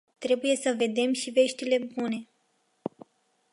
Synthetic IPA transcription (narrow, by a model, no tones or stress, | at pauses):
t̪ɾe̞buje̞səve̞d̪e̞mʃive̞ʃt̪ile̞bune̞